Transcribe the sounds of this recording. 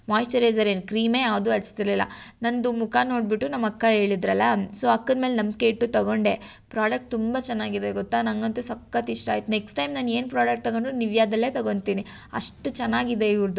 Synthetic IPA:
maːjisʈɐɾɐjzɐɾenukɾiːmejaːʋd̪uɐlst̪iɾlilːɐ̰nɐnd̪umukʰano̞ːɖ̚biʈːunɐmːɐkːɐɦe̞ːɭid̪ɾɐlːɐsoːɐkːɐnmeːlnɐmke̞iʈːut̪ɐɡo̞ɳɖe̞ | pɾaːɖɐk̚ʈ̚t̪umbat͡ʃɛnːaːɡid̪eɡɔt̪ːaːnɐŋɡɐnt̪usɐkːɐt̪iʂʈaːjit̪uneksʈɐjmnaːne̞ːnpɾaːɖɐk̚ʈ̚t̪ɐɡoɳɖuniʋjaːd̪ɐlːe̞ːt̪ɐɡo̞ɳt̪iːni | ɐ̰ʂʈut͡ʃɛnːaːɡid̪eiʋɾd̪u

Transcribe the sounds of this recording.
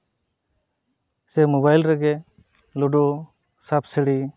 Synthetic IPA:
sɛmɔbajlɾɛɡɛ | lɔɖɔ | sap̚sɛɽi

